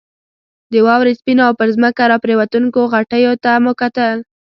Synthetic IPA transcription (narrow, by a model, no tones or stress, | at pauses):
d̪əwɑwɾespinoawpəɾzməkaɾɑpɾewat̪uŋkoɣaʈəjot̪amʊkat̪əl